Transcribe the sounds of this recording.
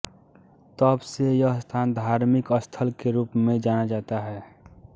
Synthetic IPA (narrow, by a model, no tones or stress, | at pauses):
t̪əbsejəɦst̪ʰaːnd̪ʱaːɾmɪkəst̪ʰəlkeɾuːpmẽd͡ʒaːnad͡ʒaːt̪aɦɛː